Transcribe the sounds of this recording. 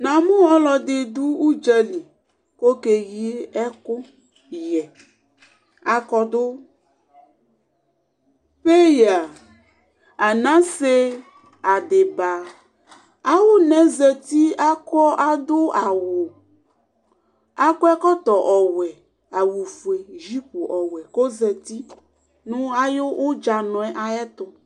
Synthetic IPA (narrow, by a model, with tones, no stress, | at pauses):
nã˨mũ˦ɔ˦lɔ˨d̪e˨d̪u˦u˦d͡ʒɛ˦li˨ | ko˦ke˨ji˦ɛ˦ko˦ | jɛ˨ | a˨kɔ˦d̪o˦ | ɸe˦ja˨ | a˨nã˦se˦ | a˨de˨ba˨ | a˦wo˦nɛ̃˦zɛ˨t̪i˦a˦kɔ˦ʔa˦d̪o˦a˨wo˨ | a˦kɔ˦ɛ˦kɔ˦t̪ɔ˨ʔɔ˨wɛ˨ | a˨wu˨fu˨e˨ʒi˦po˨ʔɔ˨wɛ˨ko˦zɛ˨t̪i˦ | nũ˦a˦jo˦wʔo˦d͡ʒa˨nɔ̃˨ɛ˦ʔa˨ɛ˦t̪ɔ˨